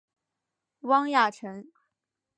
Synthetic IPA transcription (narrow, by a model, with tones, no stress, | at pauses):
wɑ˥ŋja˥˩ʈ͡ʂʰə˧˥ŋ